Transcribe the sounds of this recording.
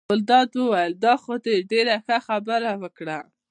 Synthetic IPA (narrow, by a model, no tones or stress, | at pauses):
ʊld̪ɑd̪wəwajəld̪ɑxod̪eɖeɾaxəxabəɾawəkɽa